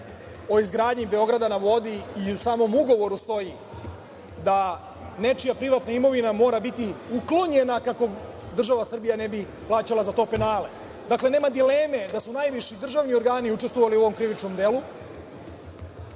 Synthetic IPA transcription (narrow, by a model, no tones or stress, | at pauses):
o̞izɡɾaːd̪ɲibe̞o̞ɡɾad̪anaʋo̞d̪iːusaːmo̞muɡo̞ʋo̞ɾust̪o̞ji | d̪a | ne̞t͡ʃijapɾiʋat̪naimo̞ʋinamo̞ːɾabit̪iuklo̞ɲe̞nakako̞ | d̪r̩ʒaʋasr̩bijane̞bi | plˠaːt͡ɕalˠazat̪o̞ːpe̞naːle̞̰ | d̪akle̞ne̞ːmad̪ileːme̞d̪asunajʋiʃid̪r̩ʒaʋnio̞ɾɡaːniut͡ʃest̪ʋo̞ʋaliuo̞o̞mkɾiʋit͡ʃnomd̪elu